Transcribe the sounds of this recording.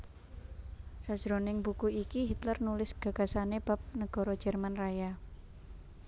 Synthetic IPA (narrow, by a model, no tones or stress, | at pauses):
sad̥ʒ̥ɾonɪŋbukuikiɦit̪lərnulɪsɡ̥ä̤ɡ̥a̤saneb̥a̤p̚nəɡ̥ɔ̤ɾɔ̥d͡ʒʒ̥ɛ̤rmanraja